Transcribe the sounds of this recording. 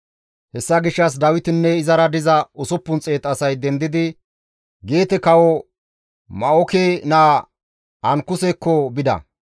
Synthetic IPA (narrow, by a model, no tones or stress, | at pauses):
hɛsːɐɡɪʃːɐs̬d̪ɐwɪt̪ɪnːɛɪzɐɾɐd̪ɪzɐʊsɔpːʊnt͡sʼeːt̪ɐsɐjd̪ɛnd̪ɪd̪ɪ | ɡe̞ːt̪ɛkɐwɔ | mɐɔkeːnaː | ɐŋkːʊsekːɔbɪd̪ɐ̰